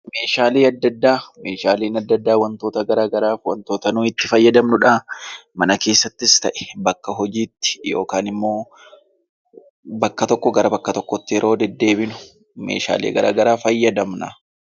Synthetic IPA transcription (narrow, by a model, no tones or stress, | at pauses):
me̞ːʃaːliːɐd̪ːɐd̪ːaːme̞ːʃaːliːnɐd̪ːɐd̪ːaːwɐnt̪o̞ːt̪ɐɡɐɾaːɡɐɾaːfwɐnt̪oːt̪ɐnuːɪt̪ːɪfɐjːɐd̪ɐmnʊᶑaːmɐnɐke̞ːsːɐt̪ːɪst̪ɐʔɛ̥bɐkːɐɦɔd͡ʒiːt̪ːɪ̥jo̞̰ːkaːnɪmːo̞ː | bɐkːɐt̪ɔkːɔɡɐɾɐbɐkːɐt̪ɔkːɔt̪ːɪɛɾʔo̞ːd̪ɛd̪ːe̞ːbɪnʊ̥ | mḛːʃa̰ːlḛːɡɐɾa̰ːɡɐɾaːfɐjːɐd̪ɐmnɐ